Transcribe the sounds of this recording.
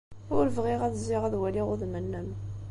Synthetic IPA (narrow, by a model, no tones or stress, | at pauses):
ʊɾəvʁiʁæðzːiʁæðwæliʁʊðmənːəm